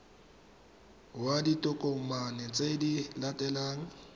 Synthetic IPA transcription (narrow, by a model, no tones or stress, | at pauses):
waditʼʊkʼoŋ̩manɛt͡sʼedilatʼɛlaːŋ̩